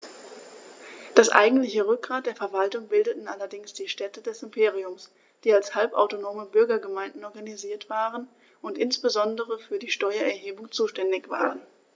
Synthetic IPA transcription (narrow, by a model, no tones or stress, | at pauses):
d̥asʔa̰ɪɡŋ̩tlɪçəʁʏk̚ɡ̥ʁaːt̚d̥eːɐfɛɐvaltʊŋbɪldətn̩ʔalɐdɪŋsd̥iːʃtɛtədɛsɪmpʰeːʁiʊms | d̥iːalshalpʔa̰ʊtonoːməbʏɐɡɐɡəmaɪndn̩ɔɐɡaniziːɐtv̥aːʁən | ʊntʔɪnsb̥əzɔndəʁəfyːɐdiːʃtɔʏɐɛɐɦeːbʊŋt͡suːʃtɛndɪçv̥a̰ːʁən